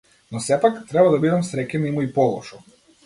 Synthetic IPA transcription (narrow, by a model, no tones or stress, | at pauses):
nɔsɛpakt̪ɾɛbad̪abid̪amsɾɛcʲɛnimuipɔlˠɔ̰ʃɔ